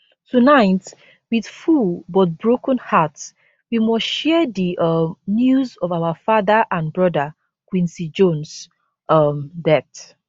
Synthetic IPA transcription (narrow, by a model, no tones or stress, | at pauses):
tunaɪt | wið̥fulbɔt̚bɹokə̃nhat | wimɔʃɛðiʔʌmnjuzɔvaʊəfaðəʔãnbɹɔdə | kwĩnsid͡ʒõns | ʔʌmdɛθ